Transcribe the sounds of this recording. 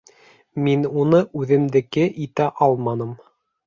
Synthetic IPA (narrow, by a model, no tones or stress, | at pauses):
minunɤʔʉðɘ̆md̪ɘ̆kɘʔit̪æʔɑlˠmɑnɤm